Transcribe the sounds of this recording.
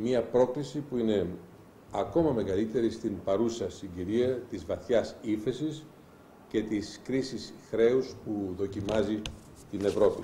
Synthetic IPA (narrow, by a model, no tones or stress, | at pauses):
miɐpɾo̞klisipuine̞ | ɐko̞mɐme̞ɣɐlit̪e̞ɾist̪impɐɾusɐsiɲɟiɾiɐt̪izvɐθçɐsiθe̞sis | ce̞t̪iskɾisisxɾe̞uspuðo̞cimɐzi | t̪ine̞vɾo̞pi